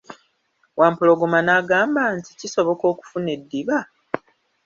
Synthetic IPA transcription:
wʔaːmpulo̞ɡomanaːɡaːmbaːnti̥ciso̞βo̞ko̞ːku̥fune̞dːiβa

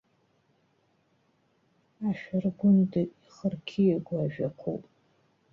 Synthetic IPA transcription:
aʃᶣarɡʷʊndɨiχərkʲʰijaɡʷaʒᶣaqʷʰo̰pʼ

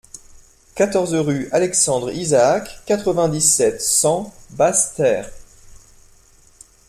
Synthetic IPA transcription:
kat̪ɔʁzʁyalɛksɑ̃d̪ʁizaːkːat̪χəvɛ̃d̪isɛt̪sɑ̃bast̪ɛːʁ

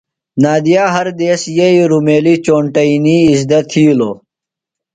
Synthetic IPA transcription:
naːd̪ijaːɦɐɾd̪eːsjeiɾumeːlit͡ɕoːɳʈɐiniːzd̪ɐt̪ʰiːuloː

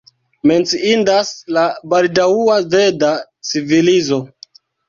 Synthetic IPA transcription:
me̞nt͡siindaslabaldauave̞da | t͡sivilizo̞

